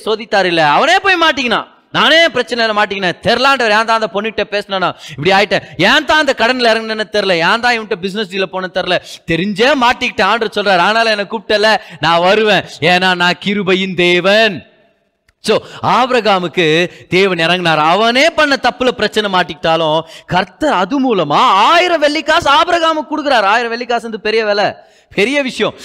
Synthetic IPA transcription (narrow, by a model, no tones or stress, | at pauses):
soːðɪt̪ːaːɾɪlːɐɐʋɐneːpoːjmaːʈ̬ːɪŋɡɐnã̰ː | naːneːpɪɾɐt͡ʃːɐnɐlɐmaːʈ̬ːiŋɡɐnẽːt̪ɛɾlaːɳɖɐʋɐɾɛːnt̪ãːnd̪ɐpɔnːɯkɪʈːepeːsɐnaːnãːɪpːɐɽiaːjɪʈːẽːɛːt̪ãːɐnd̪ɐkɐɽɐnɪlɪɾɐ̃ŋɡnɐnːɐt̪ɛɾɯlɐaːnd̪ãːɪʋʈːɐbɪs̬ɪnɛsɖiːlɐpoːnɐt̪ɛɾɯlɐt̪ɛɾɪɲd͡ʒeːmaːʈːɪkːɪʈːẽaːɳɖɾɐsɔlɾaːɾaːnaːlɐ̃ɛnɐkːuʈːɐlːɐnãːʋɐɾɯʋẽːeːnaːnãːkɪɾɯbɐjɪnd̪eːʋɐn | soːaːbɾɐɣaːmɯkːɯd̪̥eːʋɐnɛɾɐŋɡɪnaːɾɐʋɐneːpɐɳːɐt̪ɐpːɯlɐpɪɾɐt͡ʃːɐnɛmaːʈːɪkːɪʈːaːlʊ̃kɐɾt̪ɐɾɐðɯmuːlɐmaːaːjɪɾɐ̃ʋɛɭːɪkːaːsaːbɾɐɣaːmɯkːʊɽɯkːɯɾaːɾaːjɪɾɐ̃ʋɛɭːɪkːaːsɐnd̪ɯpɛɾɪjɐʋeːlɛ | pʰɛɾɪjɐʋɪʂɐjɔ̃